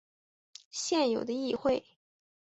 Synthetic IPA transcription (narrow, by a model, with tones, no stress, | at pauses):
ɕjɛ˥˩njo˨˩ʊd̪ə˦i˥˧xwe˥˩ɪ